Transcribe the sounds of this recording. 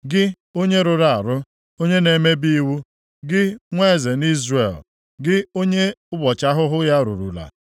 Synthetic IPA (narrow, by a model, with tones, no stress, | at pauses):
ɡɪ˦ | o˦ɲe˦ɾʊ˨ɾa˦˨a˨ɾʊ˦ | o˦ɲe˦ne˨me˦bi˦wu˦ | ɡɪ˦ŋʷe˦˨ze˨ni˦zre˨l | ɡɪ˦o˦ɲe˦ʊ˦ɡ͡bɔ˨t͡ʃa˦ɦʊ˦ɦʊ˦ja˦ɾṵ˨ɾṵ˨la̰˨